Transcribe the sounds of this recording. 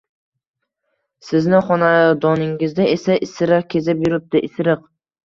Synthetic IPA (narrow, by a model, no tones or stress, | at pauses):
sɪznɪχɒnad̪ɒnɪŋɪzd̪aʔesaʔɪsɪɾɨqkʲʰe̞zɪpjʊɾɪp̚t̪ɪʔɪsɪɾɨq